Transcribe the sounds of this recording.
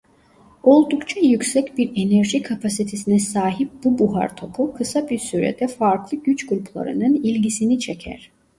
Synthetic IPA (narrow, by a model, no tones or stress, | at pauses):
o̞lˠd̪ukt͡ʃʰajycʲsɛcbiɾenɛɾʒikʰapʰasit̪ʰesinɛsaːɦip̚bubuɦa̰ɾt̪ʰo̞pʰukʰɯsabiɾsyɾɛ̰d̪ɛfaɾklˠɯɟyt͡ʃɡulʲplˠa̰ɾɯ̰nɯnilʲɟisinit͡ʃʰecʰæ̰ɾ̥